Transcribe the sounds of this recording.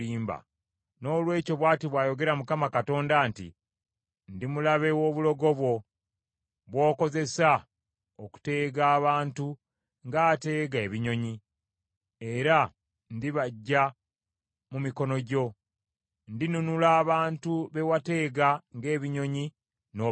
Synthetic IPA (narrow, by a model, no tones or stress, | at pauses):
iːmba̰ | no̞ːlwe̞ːco̞βwaːtiβwaːjo̞ɡe̞ɾamukamakato̞ːndaːntḭ | ndimulaβe̞woːβulo̞ɡo̞βwo̞ | βwo̞ːko̞ze̞sa | oku̥te̞ːɡaːβaːntu | ŋɡate̞ːɡe̞ːβiɲo̞ɲi | e̞ɾa | ndiβaɟːa | mumiko̞no̞ɟo̞ | ndinunulaːβaːntuβe̞wate̞ːɡaŋɡe̞ːβiɲo̞ɲi | no